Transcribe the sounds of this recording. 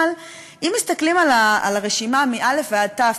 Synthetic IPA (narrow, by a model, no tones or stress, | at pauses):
l | ʔimːist̪aklimalaa̰laʁe̞ʃimamiʔale̞fvead̪̚ta